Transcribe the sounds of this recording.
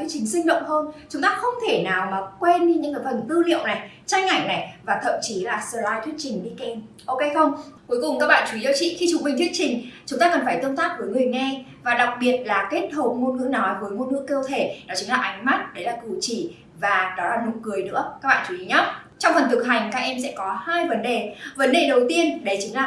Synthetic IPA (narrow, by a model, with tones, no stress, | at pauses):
ə˨˦jt͡ɕï˨˦ŋ̟sï˧ŋ̟ɗə̰˧˨wŋ͡mɦəː˧nt͡ɕʊ˨˦ŋ͡mt̪aː˧xə˧wŋ͡mt̪ʰe˧˩naː˨˩wmaː˨˩kwe˧nɗi˧ɲɨ̰˧˥ŋkaː˨˦jfə˨˩nt̪ɨ˧lḭ˧˨ə˨wna˨˩j | t͡ɕa˧jŋ̟ʔa˧˩jŋna˨˩jvaː˨˩t̪ʰə̰˧˨mt͡ɕi˨˦laː˨˩səː˨˩laː˧jt̪ʰwət̚t͡ɕï˨˩ŋ̟ɗi˧ki˧˩n | ʔo˧wke˧jxə˧wŋ͡mku˨˦jkʊ˨˩ŋ͡mka˦˥k̚ɓa̰ː˧˨nt͡ɕu˧˨i˨˦za˧wt͡ɕḭ˧˨xi˧t͡ɕʊ˨˩ŋ͡m̚ɓï̟˨˩t̪ʰi˦˥ət̚t͡ɕï˨˩ŋ̟t͡ɕʊ˨˦ŋ͡mt̪aː˧kə˨˩nfaː˧˩jt̪ə˧wnt̪aː˦˥k̚vəː˨˦jŋɨ˨˩əjŋɛ˧vaː˨˩ɗa˨˩wk͡p̚ɓi˨˩ət̚laː˨˩ke˦˥t̚ɦo˨˩p̚ŋo˧nŋɨ̰˧˥ənɔ˨˦jvə˨˦jŋo˧nŋɨ̰˧˥ŋkə˧wt̪ʰe˧˩nɔ˨˦t͡ɕɨ˨˦ŋlaː˨˩ʔa˨˦jŋ̟ma˦˥t̚ɗe˨˦laː˨˩kṵ˧˩t͡ɕi˧˩ | vaː˨˩ɗɔ˨˦laː˨˩nʊ˨˦kɨ˨˩əjnɨ̰˧˥əka˦˥k̚ɓa̰ː˧˨t͡ɕu˨˦ʔḭ˨˦ɲɔ˦˥t̚ | t͡ɕɔ˧wŋ͡mfə˨˩nt̪ʰɨ˨˩k̚ɦa˨˩jŋ̟kaː˦˥k̚ʔɛ˧msɛ̰˧˥kɔ˨˦haː˧jvə˨˦nɗe˨˩və˨˦nɗe˨˩ɗə˨˩wt̪i˧ənɗe˨˦t͡ɕi˨˦ŋlaː˨˩